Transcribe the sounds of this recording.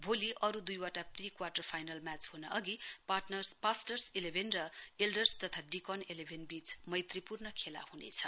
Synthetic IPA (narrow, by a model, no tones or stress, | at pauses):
bʱoliʔʌɾud̪ujwaʈaprikwarʈʌrpʰajnalmat͡sɦhunaʔʌɡiparʈnʌrspasʈʌrselebʱenrʌelɖʌrst̪ʌt̪ʰaɖikʌnelebʱenbit͡smʌjt̪ripurnʌkʰela̰hunḛt͡sʰʌ